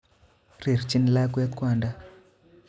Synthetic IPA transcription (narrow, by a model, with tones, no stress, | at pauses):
ri˨ɾt͡ʃi˦n˨la˦kwɛ˦t̪̚kwa˨nda˦